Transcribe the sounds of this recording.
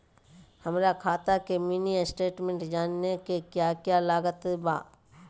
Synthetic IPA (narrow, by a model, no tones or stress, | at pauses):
həmɾakʰaːt̪akemiːnisʈeːʈmẽɳʈd͡ʒaːnːekekjaːkjalaːɡət̪ba̰ː